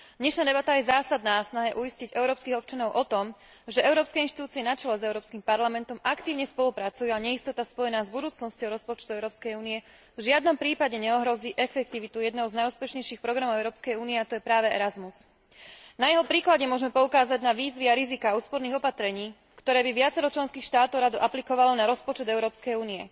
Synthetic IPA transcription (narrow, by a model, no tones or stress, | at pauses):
d̪ɲɛʃnaːd̪ɛbat̪ajɛzaːsad̪naːsnaɦɛʔuisciɟɛʊɾɔːpskiːɣɔp̚t͡ʃanɔʊʔɔt̪ɔm | ʒɛʔɛʊɾɔːpskɛinʃt̪i̥t̪uːt͡siɛnat͡ʃɛlɛzɛʊɾɔːpskiːmpaɾlamɛnt̪ɔmakt̪iːʊɲɛspɔlupɾat͡sujuaɲɛjist̪ɔt̪aspɔjɛnaːzbud̪uːt͡snɔscɔʊɾɔspɔt͡ʃt̪uɛʊɾɔːpskɛjuːniɛ | vʒɪad̪nɔmpɾiːpaɟɛɲɛɔɦɾɔziːʔɛfɛk̚t̪iʋit̪ujɛd̪nɛɦɔʊznajuːspɛʃɲɛjʃiːxpɾɔɡɾamɔʊɛʊɾɔːpskɛjuːniɛat̪ɔjɛpɾaːʋɛɛ̰ɾazmus | najɛɦɔpɾiːklaɟɛmʊɔʒmɛpɔukaːzaɟnaʋiːzʋiaɾizikaːuːspɔɾniːɣɔpat̪ɾɛɲiː | kt̪ɔɾɛːbiʋɪat͡sɛɾɔt͡ʃlɛnskiːxʃt̪aːt̪ɔʊɾad̪uʔaplikɔʋalɔnaɾɔspɔt͡ʃɛd̪ɛʊɾɔːpskɛjuːniɛ